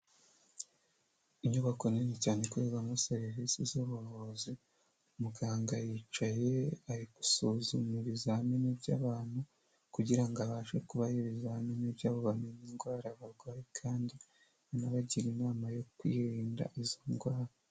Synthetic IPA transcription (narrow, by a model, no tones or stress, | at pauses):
iɲoβako̞nenecaːne̞kueβamusaɾeɦisizoβuɾozi | umuɡaːŋɡajit͡ʃaje̞ajiɡu̥sozumuβizahaminibɟaːβaːn̥hu | kuɟiɾaŋɡaβaːʃekuβajiβizaaminibjaːβo̞βameɲinɡwaːɾaβaɾɡwaːjikʰaːndi | βanaβaɟiɾinaːmajo̞kwiːɾɾiːnda̰ʔizo̞nɡwaːɾa